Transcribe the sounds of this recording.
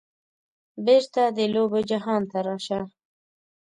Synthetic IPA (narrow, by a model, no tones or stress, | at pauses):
beɾt̪ad̪əlobod͡ʒaɦɑnt̪aɾɑʃa